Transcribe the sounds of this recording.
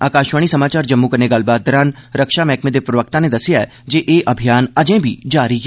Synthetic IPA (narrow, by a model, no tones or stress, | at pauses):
a̰ːkaːʃʋaːɽ̃isɐmaːt͡ʃaːɾd͡ʒɐmːukɐɾneɡɐlbaːt̪̚d̪əɾaːnɾəkʃamɛːkʰmẽd̪epɾəʋək̚t̪ãned̪ɐsɪjaɛ | d͡ʒeːʔeːʔɐbʱijaːnɐd͡ʒẽbʱiːd͡ʒaːɾikɛː